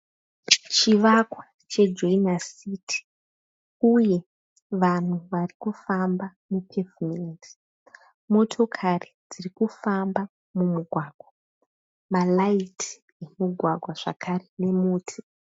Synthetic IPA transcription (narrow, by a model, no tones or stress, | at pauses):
t͡ʃiʋakwa | t͡ʃe̞d͡ʒoinasitʰi̥ | uje̞ | ʋan̤uʋarikufamba | mupʰevimenti̥ | mo̞tʰo̞kʰarid͡zirikufamba | mumuɡʱwaːɡʱwa | malaitʰi̥ | jemuɡʱwaɡʱwaʐ̥a̰kʰarene̞muːtʰi̥